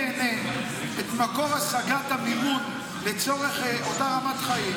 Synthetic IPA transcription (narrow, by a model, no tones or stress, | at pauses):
ene | et̪mako̞ʁasaɡat̪amimun | let͡soʁe̞χotaʁamatχaim